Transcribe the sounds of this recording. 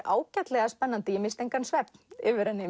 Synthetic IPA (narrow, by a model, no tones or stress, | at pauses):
ʔaːwcat̪lɛɣaspɛnːant̪ɪɪmɪst̪ejŋkansvɛp̚n̥ɪːvʏɾɛnːɪ